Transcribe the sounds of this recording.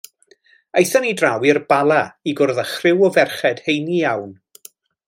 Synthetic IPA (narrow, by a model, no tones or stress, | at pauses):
ejθanidrawirb̥alˠaiɡʊrðəχrɪwɔvɛrχɛd̥hejnijawn